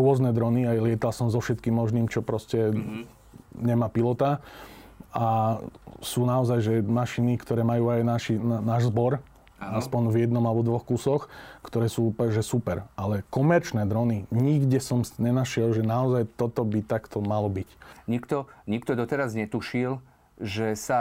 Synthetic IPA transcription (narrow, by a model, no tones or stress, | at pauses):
ɾʊɔznɛd̪ɾɔniajlɪɛt̪alsɔmzɔfʃɛt̪̚kiːmmɔʒniːmt͡ʃɔpɾɔscɛ | ɲɛmaːpilɔt̪a | a | suːnaɔzajʒɛmaʃinikt̪ɔɾɛːmajuːajnaːʃinaːʒzbɔɾ | aspɔɲvjɛd̪nɔmalɛbɔd̪ʋɔxkusɔxkt̪ɔɾɛːsuːpʒɛsupɛɾʔalɛkɔmɛɾt͡ʃnɛd̪ɾɔniɲiɡɟɛsɔmɲɛnaʃɪɛlʒɛnaɔzajt̪ɔt̪ɔbit̪akt̪ɔmalɔbicɲikt̪ɔɲikt̪ɔd̪ɔt̪ɛɾazɲɛt̪uʃil | ʒɛsa